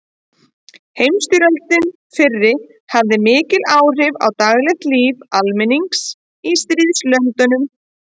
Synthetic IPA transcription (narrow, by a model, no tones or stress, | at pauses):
hejmst̪yɾœlt̪ɪn | fɪrːɪ | havðɪmɪːcɪlaːwr̥ɪva̰wt̪aɣlɛxt̪liːvalmɪniŋks | ist̪ɾiːðslœnt̪ʏnʏm